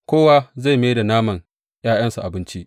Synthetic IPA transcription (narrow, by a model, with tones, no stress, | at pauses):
kʷoː˦wa˦za˦˨jme˦da˨naː˦mɐ˨ŋ | j̰aː˦j̰ɐ˦nsu˨ʔa˨bɪ˦nt͡ʃi˦ʔ